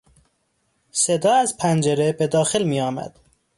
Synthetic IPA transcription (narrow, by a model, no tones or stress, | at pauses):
se̞d̪ɒːæzpʰænd͡ʒe̞ɾebe̞d̪ɒːxelmiːjɒːmæ̰d̪̥